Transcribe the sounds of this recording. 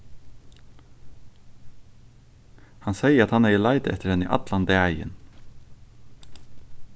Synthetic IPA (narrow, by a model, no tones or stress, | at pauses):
hɑnsæɪəɾɑt̪hɑneɪəlæɪd̪əɛt̪əɾhɛnḭːʔɑ̰t̪lɑnd̪eːæɪə̰n